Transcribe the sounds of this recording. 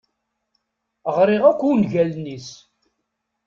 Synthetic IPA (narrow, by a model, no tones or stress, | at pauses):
ʁɾˤiʁækʷːunʝælnis